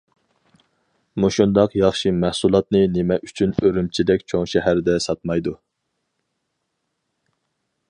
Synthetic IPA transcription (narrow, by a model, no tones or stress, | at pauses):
muʃund̪ɑqjɑχʃimæhsulˠɑt̪nɨnemɛʔyt͡ʃʰynøɾymt͡ʃʰid̪ɛk̚ʲt͡ʃʰoŋʃɛɦæɾd̪ɛsɑt̪̚mɑjd̪u